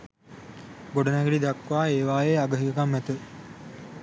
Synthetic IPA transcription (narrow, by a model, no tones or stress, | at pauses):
ɡoɖɐnæɡeɖid̪ɐkːʋaːeːʋaːjeːaɡəɦiɡəkamːæt̪ə